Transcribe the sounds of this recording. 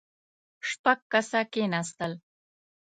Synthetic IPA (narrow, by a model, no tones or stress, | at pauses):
ʂpaɡ̚kasakenast̪əl